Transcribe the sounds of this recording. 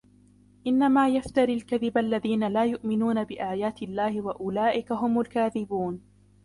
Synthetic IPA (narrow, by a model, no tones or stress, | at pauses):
ʔɪnːamaːjaft̪aɾilkaðɪbalːaðiːnalaːjʊʔmɪnuːnabɪʔaːjaːt̪ɪlːaːhɪwaʔʊlaːʔɪkaɦʊmʊlkaːðɪbuːn